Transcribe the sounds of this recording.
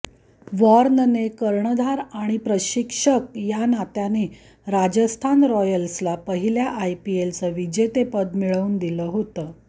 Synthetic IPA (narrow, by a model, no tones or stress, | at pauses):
ʋɔɾnnekəɾɳəd̪ʱaɾaɽ̃ipɾəɕikʂək̚janat̪jane | ɾad͡ʑəst̪ʰanɾɔjəlslapəɦiljaʔajpielt͡səʋid͡ʑet̪epəd̪miɭəuːnd̪iləɦot̪əː